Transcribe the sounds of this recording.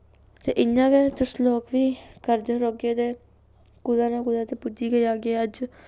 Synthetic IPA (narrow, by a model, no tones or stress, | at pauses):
t̪ḛːʔɪɲːãːkeːt̪ʊsloːkʋiːkəɾd̪eɾoːɡeːd̪eː | kʊd̪aːnãːkʊd̪ãːt̪eːpʊd͡ʒiːɡəiːaːɡeːəd͡ʒ